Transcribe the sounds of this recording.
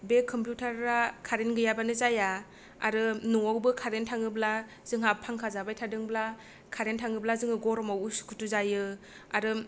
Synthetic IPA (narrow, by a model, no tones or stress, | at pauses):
bekʰɯmpjutʰaɾːakʰaɾenɡɯjabanɯzaja | a̰ɾɯnuŋɔwbɯkʰaɾentʰaŋɯbla | zɯŋɦapʰaŋkʰazabajtʰadɯŋbla | kʰaɾentʰaŋɯblazɯŋɯɡɔɾɔmawuskʰu̥tuzajɯ | aɾɯ